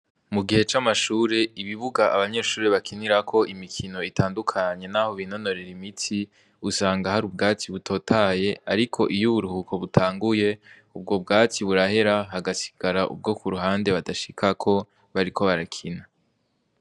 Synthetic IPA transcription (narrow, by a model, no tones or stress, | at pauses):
muɡihe̞t͡ʃamaʃuːɾe̞iβiβuɡaʔaβaɲe̞ːʃuːɾeβakʰiniɾakʰo̞ʔimikʰino̞itʰaːndukʰaɲe̞naːho̞βino̞no̞ɾe̞ɾimitʰi | usaːŋɡahaɾub̚ɡaːt͡siβutʰo̞ːtʰaːje̞aɾikʰo̞ʔijuβuɾuhukʰo̞βutʰaːŋɡuje̞ | ub̚ɡo̞bɡaːt͡siβuɾahe̞ɾaɦaɡasi̥ɡ̥aɾaʔṵb̚ɡokuɾuɦaːnde̞βadaʃi̥kʰakʰo̞ | βaɾikʰoβaɾakʰina